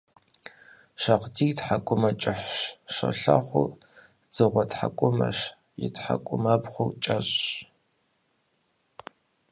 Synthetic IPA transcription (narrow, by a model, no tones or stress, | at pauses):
ʃɐqtʰiːtħakʷʼʊmɐt͡ʃʼɪħʂʃɐ̰ɬa̰χʷʊ | d͡z̥ɨʁʷɔtħakʷʼʊmɐ̰ʂ | jɪ̰tħa̰kʷʼʊmɐbχʷʊt͡ʃʼɐɕʼ